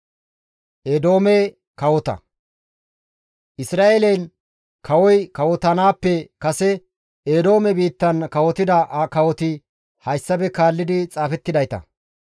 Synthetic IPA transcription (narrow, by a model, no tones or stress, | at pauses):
ʔed̪o̞ːme | kɐwɔt̪ɐ̰ | ʔɪsɾaːʔeːlɐjn | kʰɐwɔjkɐwɔt̪ɐnaːpːɛkɐsɛ | eːd̪o̞ːmɛbiːt̪ːɐnkɐwɔt̪ɪd̪ɐʔkɐwɔt̪ɪ | hɐjsːɐbɛkaːlːɪd̪ɪt͡sʼaːfɛt̪ːɪd̪ɐjt̪ɐ̰